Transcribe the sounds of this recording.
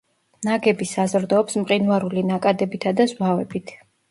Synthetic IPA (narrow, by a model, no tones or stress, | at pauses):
naɡɛbisazɾd̪ɔːpsmqʼinuaɾulinakʼad̪ɛbit̪ʰad̪azwavɛbit̪ʰ